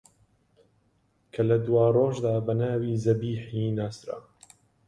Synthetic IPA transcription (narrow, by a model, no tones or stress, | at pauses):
kʰɐlɐd̪waːroːʒd̪aːbɐnaːwiːzɐbiːħinaːsɾa̰